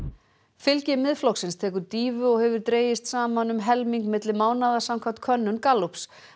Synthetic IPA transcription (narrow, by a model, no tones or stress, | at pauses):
fɪlcɪmɪðflɔwksɪnst̪ʰɛːkʏɾt̪iːvʏɔɣhɛvʏɾt̪ɾeːjɪst̪saːmanʏmɦɛlmiŋkmɪt̪lɪmaːwnaðasamkʰaw̥t̪kʰœnːʏnkalups